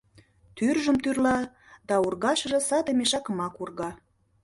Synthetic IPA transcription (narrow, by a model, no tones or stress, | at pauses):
t̪yrʒə̆mt̪yrlɑ | d̪ɑurɣɑʃə̆ʒɤ̆sɑd̪ə̆meʃɑkə̆mɑkurɣɑ